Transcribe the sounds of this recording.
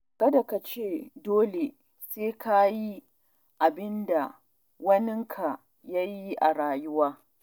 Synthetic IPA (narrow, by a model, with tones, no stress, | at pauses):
kɐ˦da˨ka˨t͡ʃeː˦˨doː˦le˨ | seː˦kʰa˦ji˦ | ʔa˨bɪ˦nda˨ | wɐ˦nɪ˦ŋkʰa˨ | ja˦ji˦ʔa̰˨ɽaː˨jʊ˦waː˦